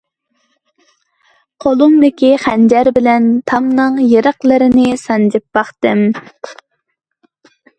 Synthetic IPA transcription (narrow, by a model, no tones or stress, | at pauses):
qʰolˠuŋd̪ɪkʲiχænd͡ʒɛɾbɪlɛnt̪ʰɑmnɨŋjeɾəqlˠəɾɪnɪsɑnd͡ʒɪpːɑχt̪ɨm